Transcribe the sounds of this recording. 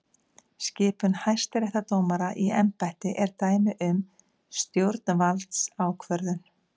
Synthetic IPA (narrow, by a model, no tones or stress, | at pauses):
scɪːpʏnhajr̥st̪ɾɛht̪at̪oːwmaɾaʔiɛmpajht̪ɪʔɛɾt̪aːjmɪʔʏm | st̪jowɾt̪nvalt̪saːwkʰvœɾðʏn